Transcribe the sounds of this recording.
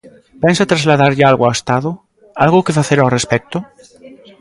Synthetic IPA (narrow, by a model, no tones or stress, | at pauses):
pɛnsat̪ɾazlaðaɾʎɪalɣaest̪aðʊ | alɣʊkefaθeɾawrespɛk̚t̪ʊ